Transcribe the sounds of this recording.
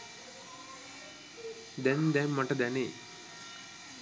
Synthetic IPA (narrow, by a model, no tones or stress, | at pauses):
d̪ɛnd̪ɛmːəʈəd̪æneː